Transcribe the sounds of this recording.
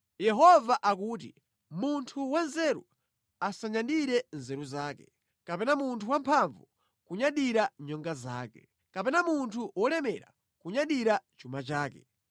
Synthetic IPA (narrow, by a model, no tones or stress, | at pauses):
jɛɦɔvaʔakuːt̬ḭ | muntʰuwanzɛɾu | asaɲanɗiɾɛnzɛɾuzaːkɛ | kapɛnamuntʰuwampʰaɱvu | kuɲaɗiɾaɲɔŋɡaza̰ːkɛ | kapɛnamuntʰuwʔɔlɛmɛɾa̰ | kuɲaɗiɾat͡ʃumat͡ʃaːkɛ